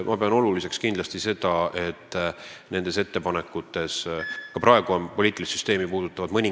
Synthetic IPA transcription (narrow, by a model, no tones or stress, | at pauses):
mʔɑpe̞ɑno̞lulise̞kskind̪lɑst̪ise̞d̪ɑʔe̞t̪ːˑne̞nd̪ese̞t̪ːe̞pɑne̞kːˑut̪ːˑe̞skɑpɾɑeɡ̥uonpo̞liːt̪ilʲissy̥st̪e̞ːmipuːd̪̥ut̪ˑːɑvɑd̪̥mɤnʲi